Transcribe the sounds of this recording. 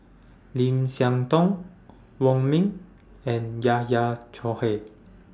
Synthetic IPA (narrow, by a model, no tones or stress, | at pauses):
limsjaŋt̪ɔŋ | wɔŋmiŋ | ɛnjajat͡ʃʰɔhe